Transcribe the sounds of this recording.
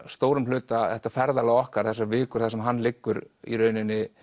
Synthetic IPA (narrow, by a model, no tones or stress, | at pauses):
st̪oːwɾʏmlʏːt̪aθɛht̪afɛɾðalaɔhkaɾ̥θɛs̬ːavɪːkʏɾ̥θasɛmɦanːlɪkːʏɾḭɾœːɥnɪnːɪ